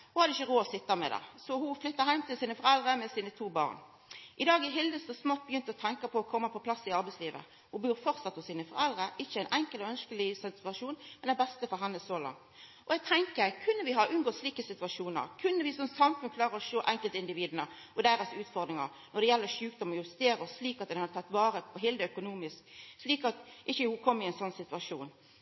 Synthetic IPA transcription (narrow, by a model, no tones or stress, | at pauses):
hʊhɑd̪əɪçːəʁoːɔsɪt̪ːɑmɛ̰d̪ɛ̰sɔhʊflʏt̪ːəɾɦæɪmt̪ɪlsiːnəfɔɾɛld̪ʁəmɛsiːnət̪ʰuːbɑ̰ːʁn | ʔɪd̪ɑːɡɪɦɪld̪əst̪ɔsmɔt̪̚ːbəjʏnt̪əɔt̪ʰɛŋkəpʰɔːkʰɔmːəpʰɔpʰlɑsːɪɑɾbɛɪsliːʋə̰ | hʊbuːʁfɔʁt̪sɑt̪ːɔsiːnəfɔʁɛld̪ʁəʔɪçːəæɪnʔɛŋkəlɔœnskəlɪsɪt̪ʉɑʂuːnmɛnɛbɛst̪əfɔɾɦɛnːəsoːlɑ̰ŋt̪ʔɔɛɡ̚t̪ʰɛŋkəɾkʰʉnːəʋɪɦɑʔʉnɡoːsliːkəsɪt̪ʉɑʂuːnə̰ɾkʰʉnːəʋɪsɔmsɑmfʉnkʰlɑːɾəɾɔʂoːʔɛŋkəlt̪ɪnd̪ɪʋiːd̪ənə | ɔd̪æːɾɔsʉːt̪fɔʁd̪ɾɪŋə̰ɾ | nɔd̪ɛjɛlːəʂʉːkd̪ɔmɔjʉst̪eːɾəɔsːliːkɑt̪̚d̪ɛnhɑd̪ət̪ʰɑt̪ːʋɑːɾəpʰɔɦɛːld̪əœkʊnuːmɪskʂliːkɑt̪ʔɪçːəhʊkʰɔmːɪɛɪnsɔnːsɪt̪ʉʋɑʂuːn